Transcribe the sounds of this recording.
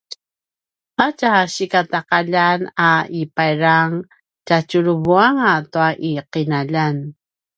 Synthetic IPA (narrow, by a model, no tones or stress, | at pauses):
acaɕikataqaʎanaipajɾaŋ | cat͡ʃuɾuvuaŋatuaʔiqinaʎan